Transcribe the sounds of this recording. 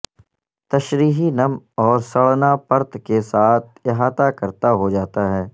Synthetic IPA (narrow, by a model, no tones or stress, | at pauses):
t̪ɐʃɾiːɦinɐmɔːɾsɐɭnapɐɾt̪kesaːt̪̚ʰjɐɦaːt̪akɐɾt̪aɦod͡ʒaːt̪aɦɛː